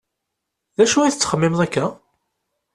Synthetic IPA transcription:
ðæʃuiθət͡sːχəmːɪmðˤækːæ

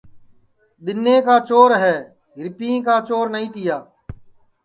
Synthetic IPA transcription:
ɗ̪ɪnːẽːkaːt͡ʃoːɾɦɛː | ɦɪɾpĩːkaːt͡ʃoːɾnəĩːt̪ɪjaː

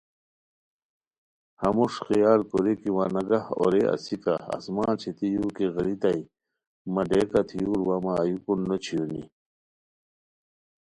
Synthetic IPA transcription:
hɐmuʂxijaːlkoɾekiwanɐɡaho̰ɾeʔɐ̰sikaɐ̰smãːnt͡ɕʰet̪ijukeɣɐɾit̪ɐi | mɐɖekat̪ʰijuːɾwamaːjukunːot͡ɕʰijoni

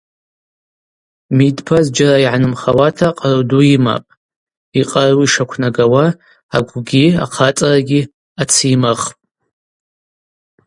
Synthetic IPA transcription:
midpʰazd͡ʒaɾaiʕanɨmχawatʰaqʼarduima̰pʼ | iqʼarwiʂakʷʰnaɡawa | aɡʷɡʲia̰qʰat͡sʼaraɡʲi | at͡sʰimɨχpʼ

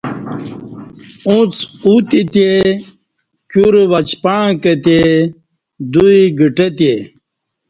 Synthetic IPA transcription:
ũt͡sut̪it̪e | kjuɾʋɐt͡ɕpãːket̪e | d̪uiɡiʈet̪je

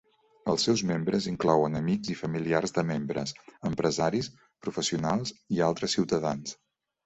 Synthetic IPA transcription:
əlˠsɛwzmembɾəziŋklɔwənəmiɡzifəmiliarzðəmembɾə̰səmpɾəzaɾis | pɾufəsiunalˠzialˠt̪ɾəsːiwt̪əðans

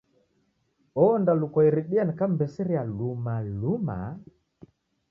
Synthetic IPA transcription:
ɔndalukɔiɾiɗiankambɛsiɾialumaluma̰

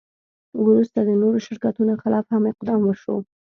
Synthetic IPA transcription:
wɾust̪ad̪ənoɾoʃɪɾkat̪unoxɪlɑfhameqd̪ɑmwəɾʃo̰

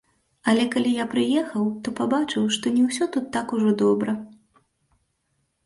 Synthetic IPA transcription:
ɐlʲɛkalʲijapɾɨjɛxɐwt̪ɔpabat͡ʂɨwʂt̪ɔnʲɛwsʲɔt̪ut̪ːakuʐɔd̪ɔbɾɐ

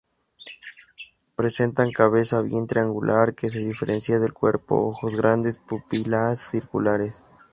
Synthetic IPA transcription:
pɾe̞se̞nt̪aŋkaβ̞e̞saβje̞nt̪ɾeaŋɡulʔaɾke̞s̬eðife̞ɾʔensjaðelkwe̞ɾpo̞̰oxozɣɾʔand̪e̞spupilasːiɾkulaɾes

